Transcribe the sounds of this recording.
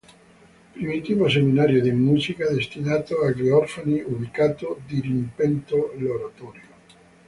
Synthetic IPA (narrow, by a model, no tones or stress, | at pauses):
pɾimit̪iːvoseminaɾjod̪imuzikad̪est̪inaːt̪oaɡeɔrfaniuβikaːt̪od̪iɾimpɛnt̪oloɾat̪ɔɾjo